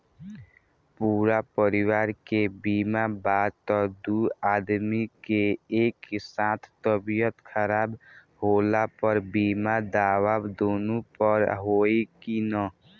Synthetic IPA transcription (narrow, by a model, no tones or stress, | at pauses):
puːɾapəɾɪwaːɾkebiːmabaːd̪t̪ɔd̪uaːd̪mikeeːksãːt̪ʰt̪əbijət̪kʰəɾaːb | ɦoːlapəɾbiːmad̪aːwaːbd̪oːnõpəɾɦoːekinãː